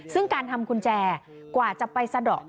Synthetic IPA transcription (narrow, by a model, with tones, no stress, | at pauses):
sɯ˥˩ŋkaː˧nt̪ʰa˧mkʰu˧nt͡ɕɛː˧ | kwaː˨˩t͡ɕa˨˩ʔpa˧jsa˧dɔ̰ː˨˩k̚